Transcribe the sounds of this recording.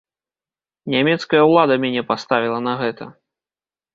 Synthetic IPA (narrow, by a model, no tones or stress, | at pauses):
nʲamʲɛt̪skɐjɐwlˠad̪ɐmʲanʲɛpast̪avʲilˠɐnɐɣɛt̪ʰɐ̰